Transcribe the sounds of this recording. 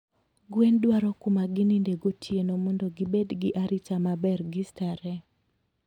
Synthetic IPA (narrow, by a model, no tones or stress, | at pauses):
ɡwendwaɾɔkʊmaɡɪnindeɡotʰjenomɔndɔɡɪbedɡɪʔaɾit͡ʃamabɛrɡɪstaɾɛ